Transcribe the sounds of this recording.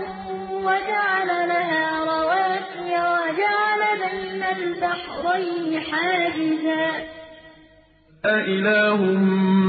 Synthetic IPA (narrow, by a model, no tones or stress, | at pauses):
wad͡ʒaʕalalaɦaːɾˤɑwaːsɪjawad͡ʒaʕalabajnalbaħɾˤɑjnɪħaːd͡ʒɪzaː | aʔɪlaːɦʊm